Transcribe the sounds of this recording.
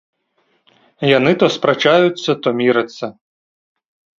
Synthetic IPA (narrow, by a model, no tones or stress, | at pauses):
jɐnɪt̪ɔspɾɐt͡ʃajʊt͡sʲːɐt̪ɔmʲiɾɪt͡sʲːɐ